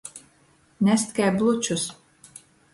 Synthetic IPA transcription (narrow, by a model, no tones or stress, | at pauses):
nʲæsʲt̪kʲæjblˠut͡ʃus